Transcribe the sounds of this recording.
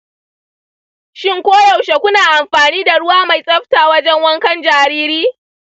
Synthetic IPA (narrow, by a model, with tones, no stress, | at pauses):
ʃɪ˦ŋkʷoː˦jɐ˨wʃe˨kʷʊ˦naː˨ʔa˨mɸaː˨niː˦da˨ɽʊ˦waː˦ma˨jsʼɐ˦ɸtaː˨wɐ˦d͡ʒɛ˦ŋwɐ˦ŋkɐ˦nd͡ʒaː˨ɾiː˦ɾiː˦